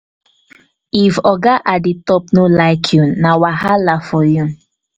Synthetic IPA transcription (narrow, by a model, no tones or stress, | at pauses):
ifɔɡaʔaditɔpnolaɪkʰjũnawahalafɔjũ